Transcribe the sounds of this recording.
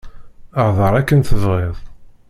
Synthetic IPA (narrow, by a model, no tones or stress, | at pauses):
əɾðˤəɾˤækːənθəvʁeðˤ